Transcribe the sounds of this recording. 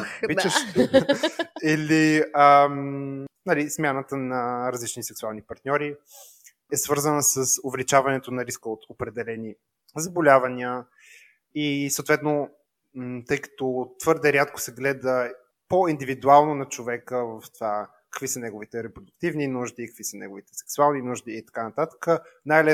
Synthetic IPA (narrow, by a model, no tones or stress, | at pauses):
vit͡ʃəʃ | ɛliəmnɐlismʲanət̪ənɐɾɐzlit͡ʃnisɛksualˠnipɐɾt̪nʲɔɾi | ɛsvɤɾzənəsəsʊvɛlit͡ʃavɐnɛt̪onɐɾiskəot̪ʰopɾɛd̪ɛlɛni | zɐbolʲavɐnʲiə | isowt̪vɛt̪no | t̪ɤjkɐ̥t̪ɔt̪v̥ɤɾd̪ɛɾʲat̪ko̥sɛɡlɛd̪ə | poind̪ivid̪ualˠnonɐt͡ʃovɛkəvɐft̪ova | kɐ̥kvisənɛɡoʊvit̪ɛɾɛpɾod̪ʊk̚t̪ivninuʒd̪ikɐkvisənɛ̰ɡovit̪ɛ̥sɛ̥ksualˠninuʒd̪iːt̪ɐ̥kanɐt̪at̪ə̥kənajlɛ